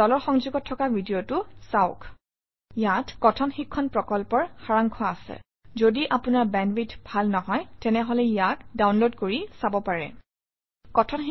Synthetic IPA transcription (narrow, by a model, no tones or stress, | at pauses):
ɔlɔɹxɔŋzuɡɔtʰːɔkabʱidijotʊsaʊk | jatkɔtʰɔnxikʰːɔnpɹɔkɔlpɔɹxaɹaŋkʰɔasɛ̰ | zodiʔapʊnaɹbɛnbitbʱalnɔɦɔjtɛnɛɦɔlɛjatdawnlodkoɹisabɔpaɹɛ̰ | kɔtʰɔn